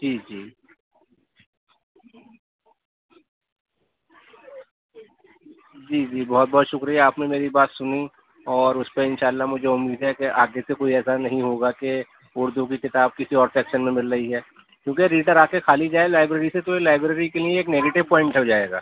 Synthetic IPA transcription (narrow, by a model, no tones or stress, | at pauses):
d͡ʒiːd͡ʒiː | d͡ʒiːd͡ʒiːbɔɦɔt̪̚bɔɦt̪ʃʊkɾiɛaːpnemeːɾibaːt̪sʊni | ɔːɾʊspeɪnʃaːlːaɦmʊd͡ʒʱeʊmːiːd̪ɦɛkeʔaːɡesekoːiɛːsanɐɦĩɦoːɡake | ʊɾd̪ʱuk̬ikɪt̪aːb̚kɪsiɔːɾsɛːkʃənmẽmɪlɾɐiɦɛː | kjõːkeɾiːʈəɾaːkekʰaːlid͡ʒaːelaːɪbɾeːɾiset̪ojelaːɪbɾeːɾikelieeːkneːɡeːʈɪʋpɔ̃ːɪ̃ɳʈɦɛod͡ʒaːeːɡa̰ː